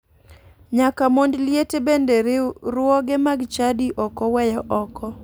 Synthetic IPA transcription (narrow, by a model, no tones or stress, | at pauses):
ɲakamondljetebendeɾɪɾʊɔɡɪmaɡt͡ʃadiʔɔkɔwɛjɔʔɔkɔ